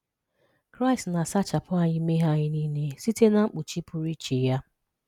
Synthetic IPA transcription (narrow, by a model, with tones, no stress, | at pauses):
kɾa˦ɪ˨stna˨sa˦t͡ʃa˨pʊ˦a˨ɲɪ˦me˦ɦa˦ɲɪ˦ni˦ne˦si˦te˦na˦ŋ͡m̩˦k͡pu˨t͡ʃi˦pʊ˨ɾi˦t͡ʃi˨ja˦